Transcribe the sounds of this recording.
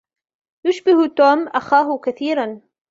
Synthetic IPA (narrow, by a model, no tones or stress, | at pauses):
jʊʃbɪht̪oːmʔaxaːɦʊkaθiːɾan